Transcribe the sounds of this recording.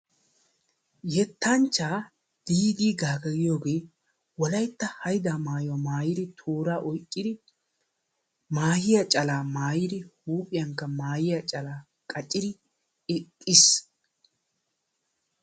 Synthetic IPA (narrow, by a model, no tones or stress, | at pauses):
jɛt̪ʰːɐnt͡ʃːaː | d̪̥iːd̪iːɡaːkɐɡɪjo̞ːɡeː | wɔlɐjt̪ːɐhɐjd̪aːmaːjɔmaːjɪd̪ɪt̪ʰoːɾaːʔɔjkʼːɪd̪ɪ | maːjɪjɐt͡ʃʼɐlaːmaːjɪd̪ɪhuːpʼɪjɐŋkːɐmaːjɪjɐt͡ʃʼɐlaː | kʼɐt͡ʃʼɪd̪ɪ | ɛkʼːɪs